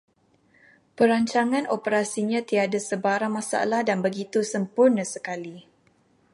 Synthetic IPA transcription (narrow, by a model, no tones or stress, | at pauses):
pəɾaɲt͡ʃaŋãnʔopəɾasiɲãt̪iadasəbaɾaŋmãsa̰lahdanbəɡit̪usəmpʊrnə̃səkali